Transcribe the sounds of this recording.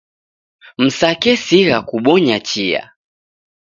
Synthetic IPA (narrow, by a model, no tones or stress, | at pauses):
m̩sakɛsiɣakuɓɔɲat͡ʃia̰